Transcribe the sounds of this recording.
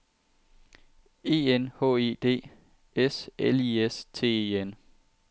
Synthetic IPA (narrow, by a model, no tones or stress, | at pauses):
e̝ːenhɔ̰̽ːeːd̥e̝̰ː | eseliest͡sʰe̝̰ːe̝en